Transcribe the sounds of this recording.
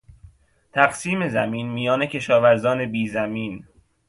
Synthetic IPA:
t̪ʰæɡsiːme̞zæmiːnmijɒːne̞cʰe̞ʃɒːvæɾzɒːne̞biːzæmiːn

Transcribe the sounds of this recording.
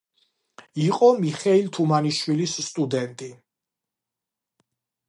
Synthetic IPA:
iqʼɔmiχɛilt̪ʰumaniʃwilisːt̪ʼud̪ɛnt̪ʼi

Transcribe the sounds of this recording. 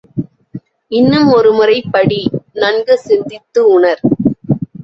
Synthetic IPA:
ɪnːɯmɔɾɯmɯrɐɪpːɐɽinɐnɡɯsɪnd̪ɪt̪ːɯʊɳɐɾ

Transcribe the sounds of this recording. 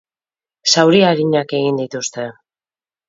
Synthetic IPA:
sawɾiaɾiɲake̞ɣind̪it̪ust̪e̞

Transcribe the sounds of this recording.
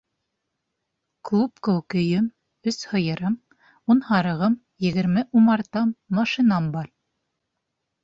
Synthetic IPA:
klˠupkɵ̆wkɵ̆jɘm | ɵshɤ̆jɤ̆ɾɤm | unhɑɾɤ̆ʁɤm | jɘ̆ɡɘ̆ɾmɘʔumɑɾt̪ɑmːɑʃinɑmbɑɾ

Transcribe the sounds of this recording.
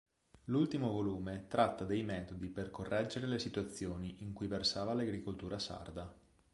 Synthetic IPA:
lult̪imovoluːmet̪ɾat̪ːad̪ejmɛːt̪od̪iperkorːʔɛd͡ʒeɾelesit̪wat̪sːjoːniʔiŋkujversaːvalaɡɾikolt̪uːɾasa̰rd̪a

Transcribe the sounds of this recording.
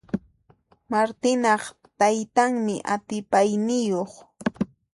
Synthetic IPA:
maɾt̪ɪnɑχ | t̪ajt̪aŋmɪʔat̪ɪpajnɪjoχ

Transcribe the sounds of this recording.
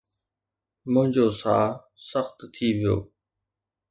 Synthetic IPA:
mʊ̃ɦɪ̃ɲd͡ʑoːsaː | səxt̪t̪ʰiːʋɪjo̰ː

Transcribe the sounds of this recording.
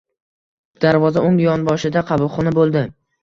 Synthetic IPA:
d̪̥aɾvɒzaʊŋjɒnbɒʃɪd̪aqʰɑbʊlˠχɒnɪbolˠd̪ɪ

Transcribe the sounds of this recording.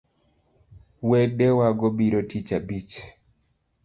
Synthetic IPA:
wedɛwaɡɔbiɾotit͡ʃabit͡ʃ

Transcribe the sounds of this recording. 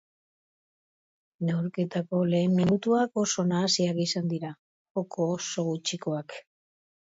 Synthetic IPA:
neuɾke̞t̪ako̞le̞ːmːinut̪uako̞so̞naːsiakisand̪iɾa | okʰo̞ːso̞ɣut͡ʃiko̞ak

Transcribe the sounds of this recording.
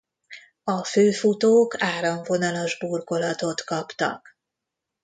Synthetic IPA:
ɒføːfut̪oːkaːɾɒɱvo̞nɒlo̞ʒbuːrko̞lɒt̪o̞t̪kɒpt̪ɒ̰k

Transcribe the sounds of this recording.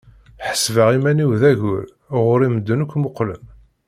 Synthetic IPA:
ħə̥svəʁimæniwðæʝʊɾ | ʁʊɾiməd̪ːənəkʷːmoqːlə̰n

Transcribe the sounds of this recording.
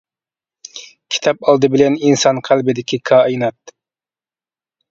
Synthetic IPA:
kʲʰi̥t̪ʰɑpɑlˠd̪ɨbɪlɛninsɑnqʰælbɪd̪ɪkʲʰikʰɑːinɑt̪̚

